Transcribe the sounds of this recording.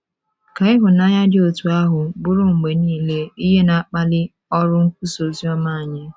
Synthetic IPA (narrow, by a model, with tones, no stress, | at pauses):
ka˨ɪ˦ɦʊ˨na˦ɲa˦dɪ˦o˨tu˨a˦ɦʊ˨bʊ˦ɾʊ˦ŋ̩˨ɡ͡be˨niː˦˨le˦i˦ɦe˦na˨k͡pa˦lɪ˦ | ɔ˦ɾʊ˦ŋ̩˦k̚ʷu˦so˨zi˦ɔ˦ma˦˨ɲɪ˦